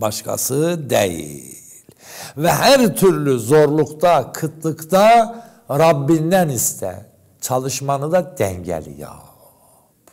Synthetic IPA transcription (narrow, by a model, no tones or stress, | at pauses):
bɑʃkʰɑ̰sɯd̪ḛjḭll | vɛhæɾt̪ʰyɾlyzo̞ɾlˠukt̪ɑkʰɯt̪ʰlɯkt̪ɑ | ɾɑbːind̪ænist̪ʰæ̰ | t͡ʃʰɑlˠɯʃmɑnɯd̪ɑd̪æɲɟæ̰lḭjɑ̰ | p